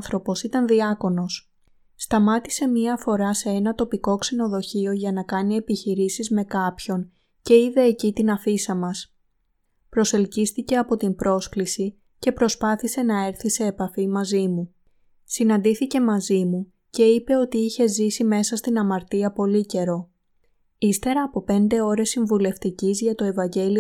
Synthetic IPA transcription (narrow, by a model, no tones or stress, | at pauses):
θɾo̞po̞sit̪ɐnðiɐko̞no̞s | st̪ɐmɐt̪i̥se̞mɲiɐfo̞ɾɐse̞e̞nɐt̪o̞piko̞kseno̞ðo̞çio̞ʝɐnɐkɐnie̞piçiɾisizme̞kɐpço̞n | ce̞iðe̞ːcit̪inɐfisɐmɐs | pɾo̞se̞lcist̪ice̞ɐpo̞t̪imbɾo̞sklisi | ce̞pɾo̞spɐθise̞nɐe̞ɾθise̞ːpɐfimɐzimu | sinɐnd̪iθice̞mɐzimu | ce̞ipe̞o̞t̪iiçe̞zisime̞sɐst̪inɐmɐɾt̪iɐpo̞lice̞ɾo̞ | ist̪e̞ɾɐːpo̞pe̞nd̪e̞o̞ɾe̞sːiɱvule̞ft̪icizʝɐt̪o̞e̞vɐɲɟe̞lio